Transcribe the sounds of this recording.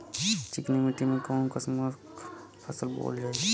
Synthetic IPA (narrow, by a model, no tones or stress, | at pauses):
t͡ʃɪknimiʈimẽkoːnkəsməɾ | pʰɐsəlbo̰ːld͡ʒaːe